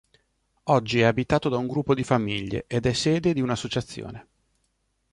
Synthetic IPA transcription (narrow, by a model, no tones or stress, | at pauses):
ɔd͡ʒːiɛabit̪aːt̪od̪auŋɡɾupːod̪ifamiʎːḛʔed̪ɛsːeːd̪ed̪iunasːot͡ʃat̪sːjo̰ːne